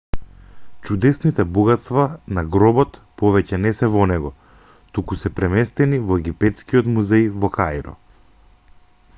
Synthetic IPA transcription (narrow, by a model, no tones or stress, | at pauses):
t͡ʃud̪ɛsnit̪ɛbuɡat̪st̪vanaɡɾɔbɔt̪pɔvɛcɛnɛsɛvɔnɛɡɔ | t̪ukusɛpɾɛmɛst̪ɛnivɔɛɡipɛt̪skiɔt̪muzɛjvɔkajɾɔ̰